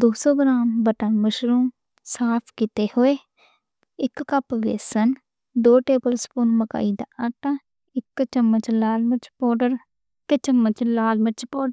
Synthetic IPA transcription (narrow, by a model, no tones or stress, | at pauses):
d̪oːsoːɡɾaːmbəʈənməʃɾuːm | saːpʰkɪt̪eːhoːeː | ɪkːəpʋḛːsən | d̪oːʈeːbəlspunməka̰ːiːd̪a̰aʈã | ɪkːt͡ʃəmːət͡ʃlaːlmət͡ʃpɔːɖəɾ | ɪkt͡ʃəmːət͡ʃlaːlmət͡ʃpoːɖə